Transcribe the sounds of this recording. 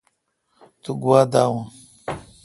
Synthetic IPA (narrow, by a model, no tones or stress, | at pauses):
t̪uɡuwaːd̪aːwã